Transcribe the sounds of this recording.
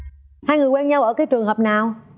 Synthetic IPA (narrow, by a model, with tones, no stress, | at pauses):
haː˧jŋɨ˨˩əkwɛ˧nɲa˧wʔəː˧˩kaː˨˦jt͡ɕɨ˨˩əŋhəː˨˩p̚naː˨˩w